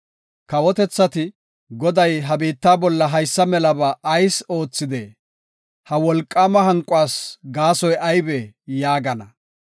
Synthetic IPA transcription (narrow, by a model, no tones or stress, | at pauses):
kɐwɔt̪ɛt͡sːɐt̪ɪ | ɡɔd̪ɐjɦɐbiːt̪ːaːbɔlːɐɦɐjsːɐmɛlɐbɐʔːjso̞ːt͡sːɪd̪eː | hɐwɔlkʼːaːmɐɦɐŋkʼʊwaːsɡaːsɔjɐjbɛjaːɡɐnɐ